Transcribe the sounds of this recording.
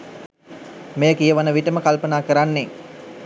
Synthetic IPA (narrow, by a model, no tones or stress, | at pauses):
mejəkijəʋanəʋiʈəməkalpənaːkəɾanːe